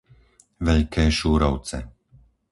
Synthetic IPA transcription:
ʋɛʎkɛːʃuːɾɔʊt͡sɛ̰

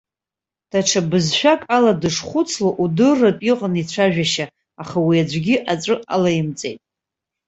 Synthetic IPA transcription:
d̥aʈ͡ʂʰabɨzʃᶣakʼaladɨʂχʷʊt͡sʰlaʔudɨrːapʼiqʼənit͡ɕʷʰaʒᶣaʃaː | χawiad͡ʒʷɡʲiʔat͡sʷʼɨʔa̰lajɪmt͡sʼe̞̰jtʼ

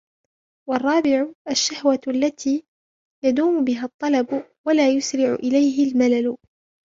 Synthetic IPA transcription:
wɑrˤːɑːbɪʕʊʔaʃːahwaalːat̪ʰiː | jad̪uːmʊbɪɦat̪ˤːɑlɑbwalaːjʊsɾɪʕʊ̰ʔɪlajɦɪlmalalʊ

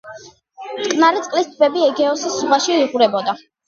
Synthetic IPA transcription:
t̪kʼnaɾit̪sʼqʼlist̪ʰbɛbiɛɡɛɔsiszʁwaʃiiʁuɾɛbɔd̪a

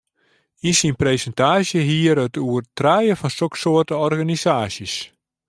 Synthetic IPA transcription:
insinpreːsəntaːsjəɦiəɾətuərtrɛjəfɔnsoksoərtəɔrɣanisaːsəs

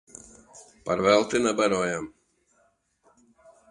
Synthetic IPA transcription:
pɐɾʋʲɛlˠt̪ʲɪnɛbɛɾoːjɛm

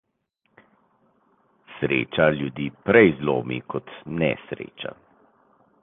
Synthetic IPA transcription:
sɾḛːt͡ʃaljud̪iːpɾɛjzlo̰ːmḭkʰɔt̪nɛ̰sɾḛːt͡ʃa̰

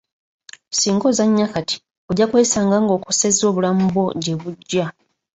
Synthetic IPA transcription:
siːŋɡo̞zaɲːakati̥ | oɟakweːsaːŋɡaːŋɡo̞ːkusezo̞ːβulamubo̞ɟe̞βuɟːa

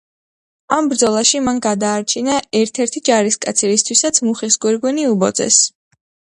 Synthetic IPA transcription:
ambɾd̪zɔlˠaʃimanɡad̪aːɾt͡ʃʰinaɛɾt̪ʰɛɾt̪ʰid͡ʒaɾiskʼa̰t̪sʰiɾist̪ʰwisat̪sʰmuχisɡwɛɾɡwɛniubɔd̪zʼɛ̰s

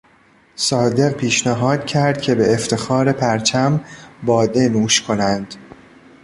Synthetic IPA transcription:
sɒːd̪e̞ɢpʰiːʃnæɦɒːd̪̥̚cʰæɾd̪̥̚cʰe̞be̞ːft̪ʰe̞xɒːɾe̞pʰæɾt͡ʃʰæmbɒːd̪e̞nuːʃkʰo̞nænd̪̥

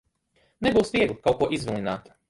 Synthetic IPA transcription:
nebousʲjed̪ukaokoʔizʋelinaːt̪ḁ

